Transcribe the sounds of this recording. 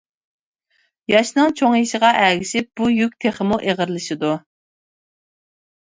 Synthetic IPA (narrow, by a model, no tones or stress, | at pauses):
jɑʃnɨŋt͡ʃʰoŋjiʃɪʁɑʔæɡʲɪʃɪp̚b̥ujykʲt̪ʰeχəmuʔeʁəɾlˠɨʃɪd̪u